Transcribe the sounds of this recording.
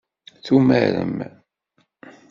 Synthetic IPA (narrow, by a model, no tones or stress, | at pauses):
θumæɾə̰m